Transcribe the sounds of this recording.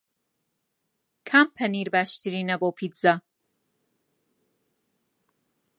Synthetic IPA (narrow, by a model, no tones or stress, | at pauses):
kʰampʰɐniɾbaːʃt̪ʰiɾinɐboːpʰidzɐ